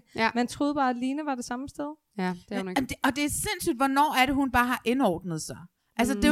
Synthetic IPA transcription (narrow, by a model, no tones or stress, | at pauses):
mænt͡sʰʁo̝ːð̞̩ˠb̥ɑ̈ːæ̥liːnəʋɑ̈d̥e̝sɑ̈məsd̥eð̞̥ˠ | deɒ̽d̥e̝sen̰sy̰ːd̥ʋɒnɒ̰ːæɐɾe̝ɦunb̥ɑ̈ːɦɑ̈ʔe̝nɒ̰ːd̥nəð̞̩ˠsɑ̈ɪ | ʔæls̬əd̥e̝